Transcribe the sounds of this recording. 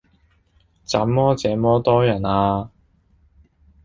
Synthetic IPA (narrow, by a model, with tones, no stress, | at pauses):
t͡saː˨˥mːɔː˥t͡sɛː˨˥mɔː˥t̪ɔː˥jɐ˨˩naː˧